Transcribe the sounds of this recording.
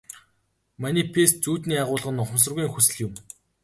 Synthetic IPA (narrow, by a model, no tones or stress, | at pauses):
mæniːpʰest̪̚t͡suːt̪niːaʁʊːɮʁə̆nʊχʊms̬ə̆rɣuiːŋxusɘ̆ɮjʊ̆m